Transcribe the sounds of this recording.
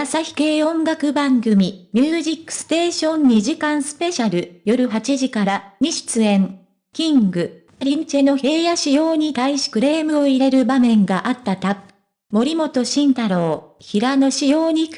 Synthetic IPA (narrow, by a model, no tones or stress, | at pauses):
asaçi̥ke̞ːõ̞ŋɡakɯ̟bãŋɡɯ̟mʲimʲɨːʑikːɯ̥sɨ̥t̪eːɕõ̞ɲ̟ːiʑikãɰ̃sɨ̥pe̞ɕaɾɯ̟jo̞ɾɯ̟ɦat͡ɕiʑikaɾaɲ̟iɕi̥t͡sɨẽ̞ŋ | kʲĩŋɡɯ̟ | aɾʲiɲt͡ɕe̞no̞he̞ːjaɕijo̞ːɲ̟it̪aiɕi̥kɯ̟ɾe̞ːmɯ̟oiɾe̞ɾɯ̟bamẽ̞ŋɡaʔat̪ːat̪ḁ | mo̞ɾʲimo̞t̪o̞ɕĩnt̪aɾo̞ːçiɾano̞ɕijo̞ːɲ̟ik